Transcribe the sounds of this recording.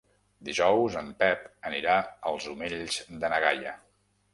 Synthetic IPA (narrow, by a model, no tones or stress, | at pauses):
d̪iʒɔwzəmpɛpəniɾaəlˠzumeʎzd̪ənəɣa̰jə